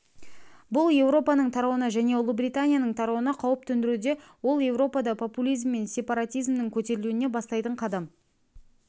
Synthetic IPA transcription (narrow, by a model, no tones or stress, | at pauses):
bʊlˠje̞wɾo̞pɑnəɴt̪ʰɑɾɑwənɑʒæne̞ʊlˠʊbɾijt̪anʲijanəɴt̪ʰɑɾɑwənɑqʰɑwəp̚t̪ʰɵnd̪ɪɾud̪e̞wo̞lˠje̞vɾo̞pɑd̪ɑpʰo̞pulʲijzmːe̞nsʲe̞pɑɾat̪ʲijzmnɪŋkʲʰɵt̪e̞ɾɪluwɪne̞bɑst̪ɑjt̪əɴqʰɑd̪ɑm